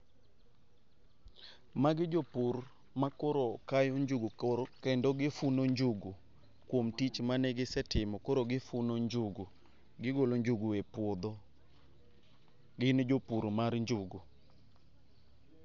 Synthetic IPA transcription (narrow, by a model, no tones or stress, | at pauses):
maɡɪd͡ʒopur | makoɾokajoɲd͡ʒuɡukɛndɔɡɪfunoɲd͡ʒuɡu | kwomtit͡ʃmanɛɡɪsɛtɪmɔkoɾoɡɪfunoɲd͡ʒuɡu | ɡɪɡoloɲd͡ʒuɡuepwod̪ɔ | ɡɪnɪd͡ʒopuɾmarɲd͡ʒʊɡu